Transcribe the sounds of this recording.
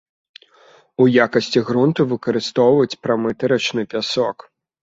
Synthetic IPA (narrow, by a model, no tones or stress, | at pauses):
ujakɐsʲt͡sʲiɣɾunt̪ɨvɨkɐɾɨst̪ɔwvɐt͡sʲpɾamɨt̪ɐɾɐt͡ʂnɨpʲasɔk